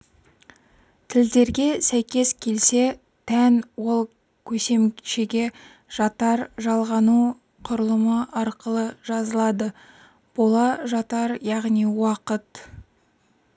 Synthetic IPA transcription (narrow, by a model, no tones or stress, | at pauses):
t̪ʰɪld̪e̞ɾɡʲe̞sæjkʲe̞skʲʰe̞lse̞ | t̪ʰænwo̞lˠ | kʲʰɵse̞mʃeɡʲe̞ | ʒ̥ɑt̪ɑɾʒɑlˠʁɑnu | qʰʊɾəlˠəməɑɾqəlˠəʒɑzəlˠɑd̪ə | b̥olˠɑʒɑt̪ɑɾjɑʁnijwɑqət̪